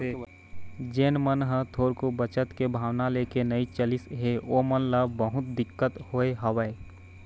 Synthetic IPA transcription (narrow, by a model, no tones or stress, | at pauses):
d͡ʒeːnmənɦət̪ʰoːɾkobət͡ʃət̪kebʱaːʋnaleːkenəit͡ʃəlɪsɦeoːmənləbbəɦʊt̪̚d̪ɪkːət̪hoːeɦəʋəe